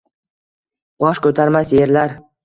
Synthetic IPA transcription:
bɒʃkɵt̪ʰaɾmasje̞ɾlaɾ

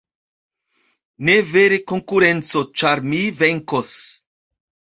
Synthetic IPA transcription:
neveɾeko̞ŋkuɾe̞nt͡so̞t͡ʃaɾmive̞ŋkos

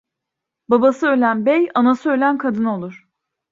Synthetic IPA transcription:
babasɯølʲænbejanasɯølʲænkʰad̪ɯno̞lˠuɾ̝̥

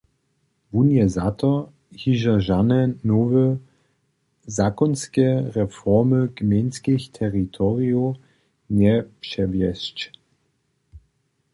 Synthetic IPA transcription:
vunjɛzat̪ɔ | hiʒɐʒanɛnɔvə | zakɔnskɛʁɛfɔʁməɡmenskixt̪ʰɛʁit̪ʰɔʁiu | nɛpʃɛvjɛst͡ʃ

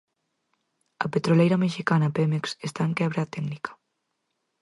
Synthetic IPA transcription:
ɐ̰pet̪ɾolejɾɐmeʃikanɐpemeksest̪aẽŋkɛβ̞ɾaːt̪ɛɡnikʰɐ̥

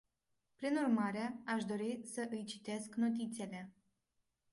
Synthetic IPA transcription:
pɾinurmaɾeaʃd̪o̞ɾisəʔɨjt͡ʃi̥t̪e̞sknot̪̬it̪sele̞

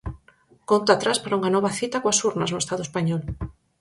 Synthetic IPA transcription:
kont̪at̪ɾaspaɾauŋanɔβaθit̪akoasuɾnaznuest̪aðoespaɲɔl

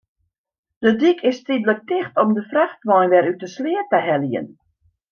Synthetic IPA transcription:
d̥ədikʰɪstidlək̚tɪxtɔmdəfraxtʋɔjnʋɛɾytəslɪətəɦɛliə̰n

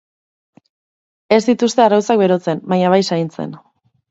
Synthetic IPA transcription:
e̞zd̪it̪ust̪e̞arawt͡sak̚be̞ɾo̞t͡se̞mbaɲaβajsaint͡se̞̰n

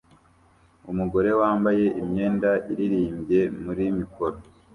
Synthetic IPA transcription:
umuɡo̞ɾe̞waːmbaje̞ʔimɲeːndaʔiɾiɾiːmbje̞muɾimikoɾo

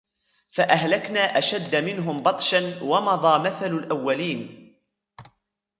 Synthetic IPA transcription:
faʔaɦlaknaːʔaʃad̪ːamɪnɦʊmbɑt̪ˤʃanwɑmɑðˤɑːmaθalalʔawːaliːn

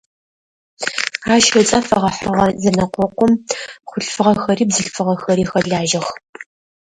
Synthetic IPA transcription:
aːʃɐt͡sʼɐfɐʁɐħɐʁɐzɐnɐqʷɔqʷɔmχʷʊɬfɨʁɐxɐɾiːbzɨɬfɨʁɐxɐɾiːxɐɮaːʒɐx

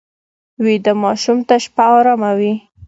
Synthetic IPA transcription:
wid̪əmɑʃumt̪aʃpaaɾamawi

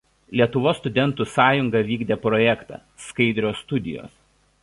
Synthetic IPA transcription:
lʲiɛt̪ʊʋoːst̪ʊd̪ʲɛnˑt̪uːˑsɑːjʊŋɡɐʋʲiːɡd̪ʲeːpɾɔjɛkt̪ɑ̰ː | skɐɪd̪ʲɾʲoːst̪ʊd̪ʲɪ̰jo̰ːs

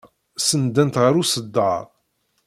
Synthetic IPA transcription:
sənd̪ːænt̪ʁəɾusəd̪ːɑɾˤ

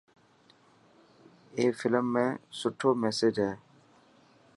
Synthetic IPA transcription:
eːfɪləmːẽːsʊʈʰːoːmɛːsed͡ʒɦɛː

